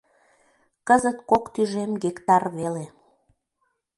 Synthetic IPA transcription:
kəzət̪kokt̪yʒemɡekt̪ɑrβele

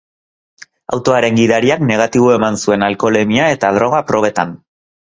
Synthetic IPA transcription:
a̰wt̪o̞aɾe̞ŋɡiðaɾiakne̞ɣ̞at̪iβ̞o̞e̞mansue̞nalko̞lemiae̞t̪aðɾo̞ɣ̞apɾo̞βe̞t̪a̰n

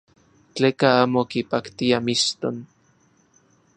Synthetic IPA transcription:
t͡ɬeːkaaːmokipakt̪iamist̪on

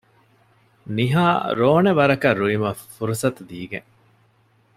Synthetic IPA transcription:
niɦaːɾoːneʋɐɾɐkɐɾuimɐfuɾusɐt̪ud̪iːɡḛŋ

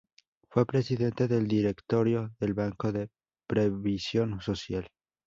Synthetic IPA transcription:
fwe̞pɾe̞siðe̞nt̪e̞ðe̞ld̪iɾe̞kt̪o̞ɾjo̞ðe̞lβaŋko̞ðe | pɾeβisjo̞nso̞sjal

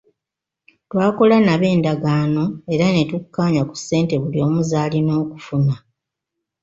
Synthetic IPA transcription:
twaːko̞lanaβe̞ːndaɡaːno̞e̞ɾane̞tukːaːɲaku̥sːe̞ːnte̞βuljo̞ːmuzaːlino̞ːku̥funa

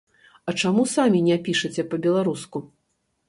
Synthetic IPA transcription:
ɐt͡ʂamusamʲinʲɛpʲiʂɐt͡sʲɛpɐbʲɛlˠaɾusku

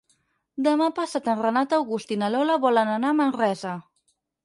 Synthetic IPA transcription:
d̪əmapasat̪ənrənat̪əwɣust̪inalɔlaβɔlənanamənrɛzə

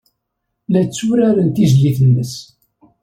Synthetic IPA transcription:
læt͡sːuɾaɾənt̪izliθənːəs

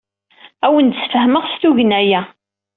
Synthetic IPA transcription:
æwənd̪sfəhməʁst̪uʝənæjæ

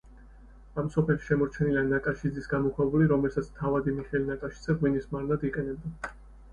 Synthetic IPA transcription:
amsɔpʰɛlʃi̥ʃɛmɔɾt͡ʃʰɛnilanakʼaʃid̪zisɡamɔkʰwɛbuliɾɔmɛlsat̪sʰmt̪ʰavad̪imiχɛlinakʼaʃi̥d̪z̥ɛʁwinismaɾnad̪iqʼɛnɛb̚d̪a

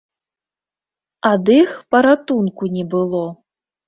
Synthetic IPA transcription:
ad̪ɨxpɐɾat̪unkunʲɛbɨlˠɔ

